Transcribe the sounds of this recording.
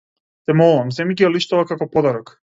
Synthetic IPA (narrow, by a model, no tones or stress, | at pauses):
t̪ɛmɔlˠuvams̬ɛmicialiʃt̪uvakakɔpɔd̪aɾɔk